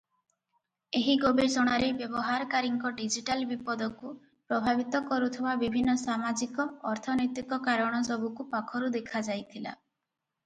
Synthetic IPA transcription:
eɦiɡobesɔɽ̃aɾebjɔbɔɦaɾɔkaɾiŋkɔɖid͡ʒiʈalbipɔd̪ɔku | pɾɔbʱabit̪ɔkɔɾut̪ʰibabibʱinːɔsamad͡ʒikɔːɾt̪ʰɔnɔjt̪ikɔkaɾɔɽ̃ɔsɔbukupakʰɔɾud̪ekʰad͡ʒajt̪ʰila̰

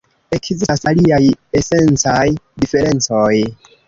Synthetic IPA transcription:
e̞kziasaliaje̞se̞nt͡sajdife̞ɾe̞nt͡so̞j

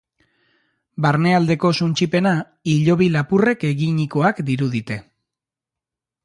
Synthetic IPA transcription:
baɾne̞ald̪e̞ko̞sunt͡ʃipe̞na | iʎo̞β̞ilapure̞keɣiɲiko̞akd̪iɾuðit̪e̞

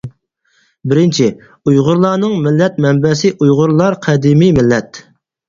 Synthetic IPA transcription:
bɪɾɪnt͡ʃʰi | ujʁʊɾlˠɑːnɨŋmɪlːɛt̪̚mɛmbɛsɪʔujʁʊɾlˠɑɾqʰɛd̪imimɪlːɛt̪

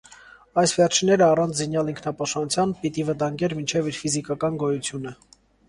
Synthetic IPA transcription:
ɑjsvɛrt͡ʃʰinːɛɾəɑrɑnt͡sʰzinjɑliŋkʰnɑpɑʃpɑnut͡sʰjɑnpit̪ivət̪ɑŋɡɛɾmint͡ʃʰɛviɾfizikɑkɑnɡɔjut͡sʰjunə

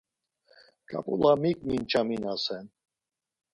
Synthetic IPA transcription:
kʼa̰pʼṵlamikʼmint͡ʃʰaminasɛn

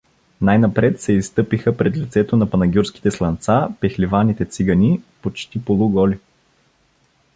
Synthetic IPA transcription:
najnɐpɾɛt̪sɛist̪ɤpixəpɾɛt̪lit̪sɛt̪onɐpɐnɐɡʲuɾsk̟i̥t̪ɛslˠɐnt̪sapɛxlivanit̪ɛt̪siɡənʲipot͡ʃt̪ipolˠuɡɔlʲi

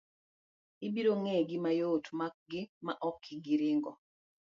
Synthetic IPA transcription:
ibiɾoŋɛɡɪmajotmak̚ɡɪmaʔɔkʰːiɡiɾɪŋɡɔ

